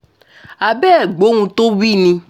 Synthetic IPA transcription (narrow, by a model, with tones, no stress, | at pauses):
a˨bɛ˦˨ɡ͡bo˨˦nũ˧to˦wi˦˨nĩ˧